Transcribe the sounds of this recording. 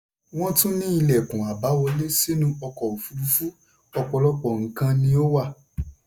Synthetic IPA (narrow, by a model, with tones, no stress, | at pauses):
w̃ɔ̃˦tũ˦nĩ˦i˧lɛ˨kũ˨a˨ba˨˦wɔ˧le˦se˦nũ˧ɔ˧kɔ˨o˨fu˧ɾu˧fu˦ | ɔ˧k͡pɔ˧lɔ˦k͡pɔ˨ŋ̩˨kã˧nĩ˧o˦wa˦˨